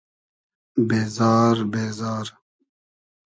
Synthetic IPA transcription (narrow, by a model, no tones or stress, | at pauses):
beːzɑːɾbeːzɑːɾ